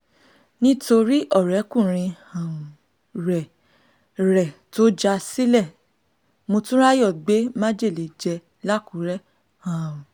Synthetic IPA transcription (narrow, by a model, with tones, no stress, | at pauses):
nĩ˦to˧ɾi˦ʔɔ˦˨ɾɛ˨˦kũ˦˨ɾ̃ĩ˧hã˨ | ɾɛ˨ | ɾɛ˨to˦d͡ʒa˧si˦lɛ˦˨ | mo˧tũ˦ɾa˦jɔ˦˨ɡ͡be˨˦mã˦d͡ʒe˦˨le˨d͡ʒɛ˧ | la˦ku˨˦ɾɛ˦ | hã˨ũ˨